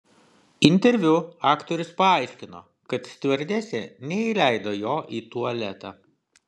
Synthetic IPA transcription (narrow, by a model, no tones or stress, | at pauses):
ɪnʲt̪ʲɛɾʲʋʲʊɑːkt̪ɔɾʲʊspɐɑˑɪʃʲkʲɪno̰ː | kɐt̪sʲt̪ʲʋʲɛɾʲd̪ʲæːsʲɛnʲɛiːlʲæɪd̪oːjoːʔiːt̪uɐlʲɛt̪ɑː